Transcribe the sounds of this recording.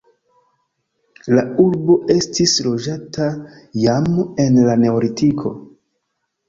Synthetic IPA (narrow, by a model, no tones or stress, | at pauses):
lauɾbo̞ʔe̞stislo̞d͡ʒatajame̞nlane̞oɾitikʰo̞̰